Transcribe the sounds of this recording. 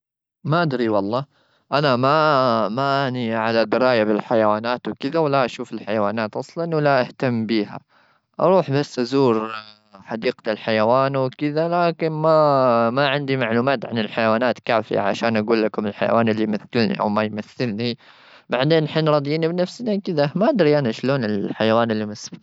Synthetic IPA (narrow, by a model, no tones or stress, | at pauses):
maʔad̪ɾiwɑlˤːɑː | ʔanamamaʔaniʕalad̪ɪɾɑːjabɪlħajawaːnaːt̪wɪkɪðawalːaʔaʃuːfɪlħajawaːnaːt̪ʔɑsˤlɑnwalːaʔaht̪amːbiːɦa̰ | ʔɑ̰ɾˤuːħbasːʔazuːɾ | ħɑd̪iːqɪlħajawaːnwɪkɪðalaːkɪnmamaʕɪnd̪imaʕluːmaːt̪ʕanɪlħajawaːnaːt̪kaːfɪ̰ja̰ʕa̰ʃaːnʔaɡuːlːakʊmɪlħa̰ja̰waːnɪlːijmaθːɪlnḭʔa̰wmajmaθːɪlni | baʕd̪eːnħiːnɾˤɑd̪ˤjiːnibnafsnakɪðamaʔad̪ɾiʔanaʃloːnɪlħajawaːnɪlːimasb